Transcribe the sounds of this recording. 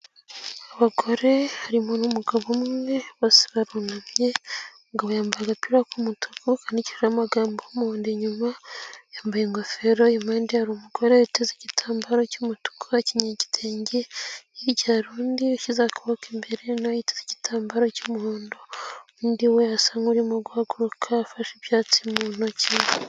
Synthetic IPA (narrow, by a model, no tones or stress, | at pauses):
aβaɡoɾe̞haɾimonumuɡaβomŋe̞βoːsi̥βaɾunamjeomuɡaβojaːmbaaɡapiɾakumutʰukukaniciɾiɾamaɡaːmbomuhoːndeɲumajaːmbajeŋɡofeɾojimandiaɾumukoɾeajitezecitʰaːmbaɾo̞cumutu̥kʰoaciɲeɟi̥teːɲɟeiɾɟaɾuːndioʃizakuβokembeɾenajitezeci̥tʰaːmbaɾo̞cumuhoːndoundiwejasaŋɡuɾimoɡuhaɡuɾukʰafaʃeβjaːt͡simuːnocin